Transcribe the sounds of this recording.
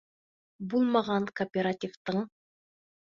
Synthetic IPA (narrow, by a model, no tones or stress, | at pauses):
bulˠmɑʁɑŋkoːpʲeɾatʲift̪ɤɴ